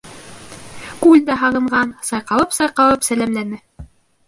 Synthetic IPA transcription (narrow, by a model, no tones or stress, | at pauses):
kʉlʲd̪æɦɑʁɤ̆ɴɢɑnsɑjqɑlˠɤpsɑjqɑlˠɤpsælæmlænɘ